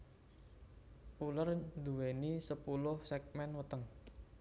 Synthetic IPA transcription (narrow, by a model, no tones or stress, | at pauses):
pulərnd̪uwenisəpulʊhsɛk̚mɛnwət̪əŋ